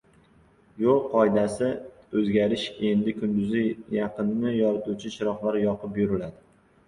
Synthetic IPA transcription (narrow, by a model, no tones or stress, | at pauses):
jolˠqʰɒjd̪asɪ | ɵzɡʲaɾɪʃe̞nd̪ɪkʰʊnd̪ʊzɪjɑqɨnːɪjɒɾɪt̪ʰut͡ʃʰɪʃɪɾɒχlaɾjɒqʰɨpjʊɾɪlad̪ɪ